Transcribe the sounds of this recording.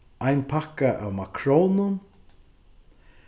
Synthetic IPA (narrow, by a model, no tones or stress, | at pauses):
ʔajnpʰakaʔa̰wmakʰɾownʊn